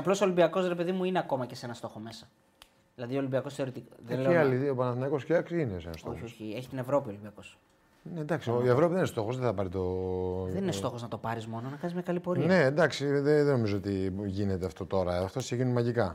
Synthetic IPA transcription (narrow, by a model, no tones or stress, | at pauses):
ɐplo̞solibiɐko̞sɾepe̞ðimuineɐko̞mɐce̞se̞nɐst̪o̞xo̞me̞sɐ | ðilɐðiolimbiɐko̞sθeɾiot̪iðenleiɐliopɐnɐθinɐko̞sceɐkinesenɐ̰st̪oçoçieçi̥t̪ine̞vɾo̞piolimbiɐko̞s | ned̪ɐksioievɾo̞piðeninest̪o̞xozðeθɐpɐɾit̪oðeninesto̞xo̞znɐt̪o̞pɐɾizmo̞nonɐkɐnizmɲɐkɐlipo̞ɾine̞d̪ɐksiðeðeno̞mizoot̪iʝine̞t̪eɐft̪o̞t̪o̞ɾɐft̪oseʝinumɐʝikɐ